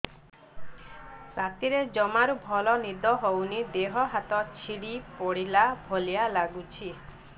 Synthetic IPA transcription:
sat̪iɾed͡ʒɔmaɾubʱɔlɔnid̪ɔɦownid̪eɦɔɦat̪ɔt͡ʃʰiɽipɔɽilabʱolijalaɡut͡ʃʰi

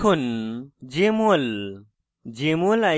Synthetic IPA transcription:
und͡ʑemol | d͡ʑeːmola

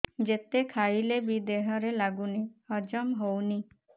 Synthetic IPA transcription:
d͡ʒet̪ekʰailebid̪eɦɔɾelaɡuniɔd͡ʒɔmɦowni

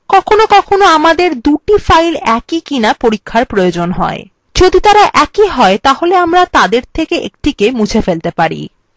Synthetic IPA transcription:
kɔkʰonokɔkʰonoamad̪eɾd̪uʈifajlɛkikinapoɾikʰːaɾpɾojod͡ʑonɦɔ̰ḛ | d͡ʑod̪it̪aɾaʔɛkiɦɔet̪aɦoleamɾat̪ad̪eɾt̪ʰekeʔḛkʈikemut͡ɕʰefelt̪epaɾḭ

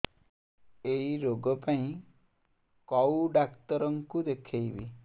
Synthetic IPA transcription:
ejiɾoɡɔpaĩ | kɔwɖakt̪ɔɾɔŋkud̪ekʰejbḭ

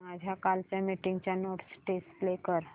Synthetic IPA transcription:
mad͡ʑʱjakalt͡ɕjamiʈiŋɡt͡ɕjanoʈsʈesʈlekəɾ

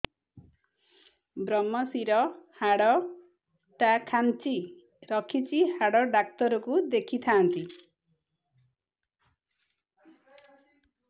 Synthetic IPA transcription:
bɾɔmːɔsiɾɔhaɽɔ | t̪akʰant͡ʃi | ɾɔkʰit͡ʃihaɽɔɖak̚t̪ɔɾɔkud̪ekʰit̪ʰaːnt̪i

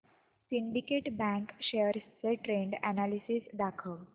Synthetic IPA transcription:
siɳɖikeʈbæ̃ŋkʃeəɾst͡seʈɾeɳɖænalisisd̪akʰəʋ

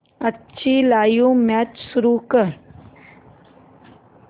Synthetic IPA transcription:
ɐtːʃʰilaːjũmɛːt͡ʃsʊɾukəɾ

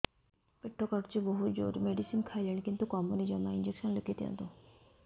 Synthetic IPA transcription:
pɪʈʰːokɐʈt͡ʃebəɦʊt̪d͡ʒo̰ːɾmeːɖisinkʰaːiləɳ̃kɪ̃nt̪ukɔːmunid͡ʒɐmaːɪnd͡ʒekʃənləket̪jã̰nt̪õ

